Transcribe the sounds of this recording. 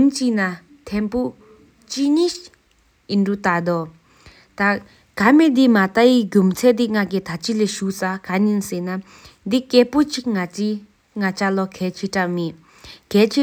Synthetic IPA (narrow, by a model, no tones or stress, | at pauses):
nt͡ɕina | t̪ʰɛnpo | t͡ɕiɲiɕ | inɖ͡ʐut̪ad̪o | t̪aʔ | kamed̪imat̪ajiɡumt͡sʰɛʔd̪̬iŋakit̪ʰat͡ɕileɕuʔsakaɲinsena | d̪ikeːpot͡ɕiʔŋai | ŋat͡ɕalɔkʰɛːt͡ɕʰiʈ͡ʂameʔ | kɛːt͡ɕʰi